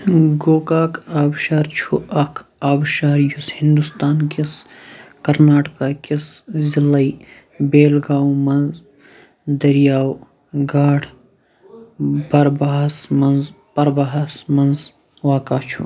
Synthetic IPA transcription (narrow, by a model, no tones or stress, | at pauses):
ɡoːkaːkaːbʃaːɾt͡ʃʰuʔɐkʰaːbʃaːɾjushind̪ust̪aːnkiskɐɾnaːʈkaːkiszɪlɐi | beːlɡaːwmɐnz | d̪ɐɾjaːw | ɡaːʈʰ | bɐɾbɐɦɐsmɐnz | pɐɾbɐɦɐsmɐnz | waːkaːt͡ʃʰu